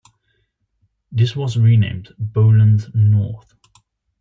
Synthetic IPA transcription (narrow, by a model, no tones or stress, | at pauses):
ðɪswɒzɹinḛ̃ɪ̃mboʊlə̃nznɔˑθ